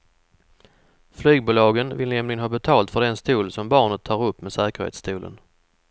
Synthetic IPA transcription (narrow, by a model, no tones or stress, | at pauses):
flyːɡ̚buːlɑːɡənvɪ̰lnɛmlɪɡənhɑːbɛt̪ʰɑːlt̪fœɖɛnst̪uːlsɔmbɑːɳət̪ʰːɑːɾɵpːmesæːkəɾhḛːt̪st̪ʰʉːlʔə̰n